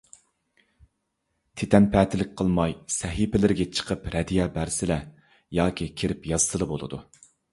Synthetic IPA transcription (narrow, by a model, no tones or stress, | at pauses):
t̪ʰet̪ʰɛnpʰɛːt̪ʰɪlɪk̚ʲqʰəlˠmɑjsɛɦipɪlɪɾɪɡʲɛt͡ʃʰə̥qʰəpɾɛd̪ijɛːbæɾsɪlɛ | jɑːkʲʰikʲʰeɾɪpjɑzɨt̪ʰɨlˠɨbolˠɨ̰d̪ṵ